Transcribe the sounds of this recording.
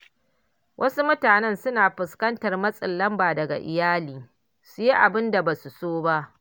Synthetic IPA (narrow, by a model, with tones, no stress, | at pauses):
wʔɐ˦su˦mʊ˦taː˨nɛ˦nsʊ˦naː˨ɸɪ˨skɐ˦ntɐ˨rmɐ˦sʼɪ˨nlːɐ˦mbaː˨dɐ˨ɡa̰˨ʔɪ̰˨jaː˦liː˨ | su˨ji˦ʔa˨bɪ˦nda˨ba˨su˨soː˦ba˦ʔ